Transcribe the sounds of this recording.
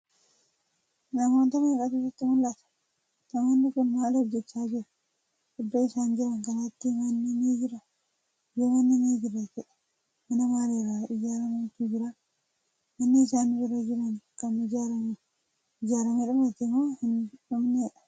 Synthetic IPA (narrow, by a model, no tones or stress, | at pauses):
nɐmoːnt̪ɐmɪkɐt̪ʊsɐt̪ːɪmʊlːat̪ɐ̥ | t̪ɐmɐnːɪkʊnmaːlɔbd͡ʒɛt͡ʃːaːd͡ʒɪɾɐ̥ | kʊd̪ːoɪsaːnd͡ʒɪɾɐŋkɐnɐt̪ːimɐnːinid͡ʒɪɾɐ | jeːmɐnːineːd͡ʒɪrːɐd͡ʒɛᶑɐ̥ | mɐnɐmaːleːɾaːʔɪd͡ʒaːɾɐmɐt̪ːid͡ʒɪɾa | mɐnːiɪsaːnd͡ʒɪɾɐd͡ʒɪɾɐnkɐnɪd͡ʒaɾɐm | ɪd͡ʒaːɾɐmiᶑʊmɐt̪ːɪmːoːhɪnᶑʊmneːᶑɐ